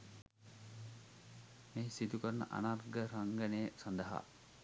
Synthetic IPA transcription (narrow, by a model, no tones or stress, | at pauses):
meːsit̪ukəɾɐnə̰ʔɐ̰narɡəɾaŋɡɐnejːsɐnd̪əɦa̰